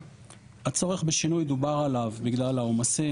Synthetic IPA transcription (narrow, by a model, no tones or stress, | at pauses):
hat͡so̞ʁe̞χbeʃinujed̪ubaʁalavbiɡlalaomase